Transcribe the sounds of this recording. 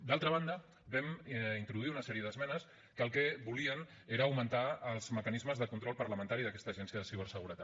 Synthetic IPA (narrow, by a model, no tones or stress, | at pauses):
d̪alˠt̪ɾəβ̞and̪ə | bɛmint̪ɾuðuiunəsɛɾiəðəzmɛnəs | kəlˠkebuliən | eɾəːwmənt̪aəlˠz̥məkənizməzðəkunt̪ɾɔlˠpəɾləmənt̪aɾiðəkɛst̪əːʒɛnsiəðəsiβ̞əɾsəɣuɾət̪at̪